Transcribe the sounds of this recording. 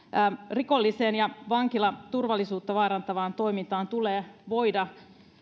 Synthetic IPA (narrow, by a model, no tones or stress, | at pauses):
riko̞lːiseːnjɑʋɑŋk̟ilɑt̪urʋɑlːisuːt̪ːɑʋɑːɾɑnt̪ɑʋɑːnt̪o̞jmint̪ɑːnt̪uleːʋo̞jdɑ